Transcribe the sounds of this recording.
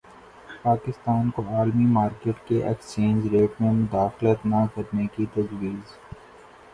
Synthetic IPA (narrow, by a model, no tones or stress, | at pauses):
paːkɪst̪aːnkoaːlmimaːɾkeːʈkeʔekst͡ʃẽːnd͡ʒɾeːʈmẽmʊd̪aːxlət̪nɐkɐɾnekit̪ɐzwiːz